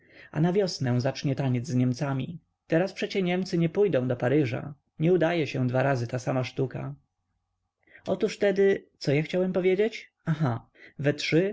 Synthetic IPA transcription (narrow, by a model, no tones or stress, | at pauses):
a̰navʲjɔsnɛw̃zat͡ʂɲɛt̪aɲɛd̪zzɲɛmt̪samʲi | t̪ɛɾaspʂɛt͡ɕɛɲɛmt̪sɘɲɛpujd̪ɔ̃w̃d̪ɔpaɾɘʐa̰ | ɲɛud̪ajɛɕɛ̃d̪vaɾazɘt̪asamaʂt̪uka̰ | ɔt̪uʂft̪ɛd̪ɘt̪sɔjaxt͡ɕawɛmpɔvʲjed͡ʑet͡ɕ | axa | vɛtʂɘ